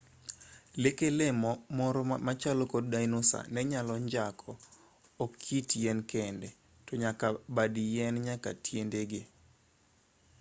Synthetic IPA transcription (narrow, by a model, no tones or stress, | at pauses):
lekelemɔmɔɾɔmat͡ʃalɔkod̚dajnosa̰nɛɲalɔɲd͡ʒakʰɔː | kʰːitjɛnkɛndɛ | tɔɲakabadijɛnɲaka̰tʰjendeɡe